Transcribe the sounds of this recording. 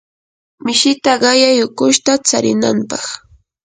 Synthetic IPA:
mɪʃɪt̪aɢɑjajʊkʊʃt̪at͡saɾɪna̰mpɑχ

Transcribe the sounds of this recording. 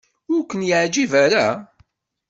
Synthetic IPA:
ʊɾkːənjəʕd͡ʒivaɾa

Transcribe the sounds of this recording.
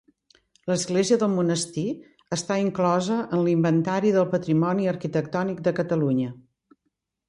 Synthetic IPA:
ləzɣleziəðəlˠmunəst̪i | əst̪aiŋklɔzəʔənlimbənt̪aɾiðəlˠpət̪ɾimɔniəɾkit̪ək̚t̪ɔnik̚d̪əkət̪əluɲə

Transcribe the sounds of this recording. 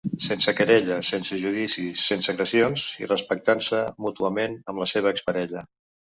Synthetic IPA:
sensəkəɾɛʎəsensəʒuð̞isisːensəɣɾəsionzḭrəspək̚t̪ansəmut̪uəmenəmləseβ̞əːkspəɾɛʎə

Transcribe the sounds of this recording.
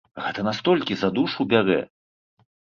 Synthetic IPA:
ɣɛt̪ɐnast̪ɔlʲkʲizad̪uʂuwbʲaɾɛ̰

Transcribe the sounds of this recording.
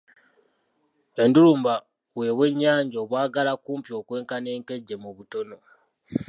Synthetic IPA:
enduluːmba | we̞βwe̞ɲːaːɲɟoːβwaːɡalakuːmpjo̞ːkwe̞ːŋkane̞ːŋke̞ɟːe̞muβuto̞no̞

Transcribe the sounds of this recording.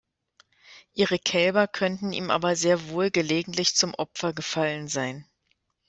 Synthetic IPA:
ʔiːʁəkʰɛlbɐkʰœntn̩ḭːmʔa̰ːbɐzeːɐvoːlɡəleːɡŋ̩tlɪçt͡sʊmʔɔpfɐɡəfalənzaɪn

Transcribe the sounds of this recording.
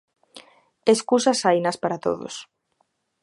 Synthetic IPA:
eskusasajnaspaɾat̪o̰ðo̰s

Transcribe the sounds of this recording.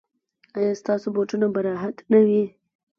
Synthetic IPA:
ɑjɑst̪ɑsoboʈunabaɾɑɦat̪nawi

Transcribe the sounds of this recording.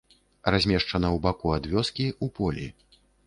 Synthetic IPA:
razʲmʲɛʂt͡ʂɐnɐwbakuad̪vʲɔskʲiʔupʰɔlʲḭ

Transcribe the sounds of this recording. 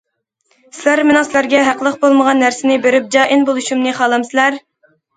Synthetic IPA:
sɪlæɾmenʊ̃ŋsɪlæɾɡʲɛɦæqlˠəqbolˠməʁɑnːæɾsɪnɪbeɾyp̚d͡ʒɑːʔɪnbolˠuʃumnɨχɑːlˠɑmsɪlæɾ

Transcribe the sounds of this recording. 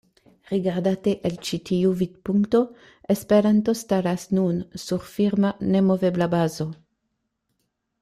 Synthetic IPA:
ʁiɡaʁd̪at̪eʔelt͡ʃit̪iuvid̪puŋkt̪o̞ | espeɾant̪o̞st̪aɾasnunsuɾfiʁmanemoveblabazo

